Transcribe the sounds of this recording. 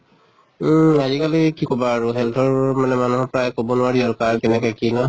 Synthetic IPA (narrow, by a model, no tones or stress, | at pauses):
azikalikikɔbaːɹuɦɛltʰɔɹmanɛmanuɦɔɹpɹajkobɔnʊaɹiɔɹkaɹkɛnɛkɔkinɔ